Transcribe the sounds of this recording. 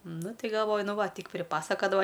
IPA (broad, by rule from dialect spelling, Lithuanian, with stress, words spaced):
ˈnʊ ˈtʲɪ ɡɐlˠˈʋoːjʊ ˈnʊ ˈʋɐ ˈtʲiːk pʲrʲɪˈpɑːsɐkɐdɐʋɐ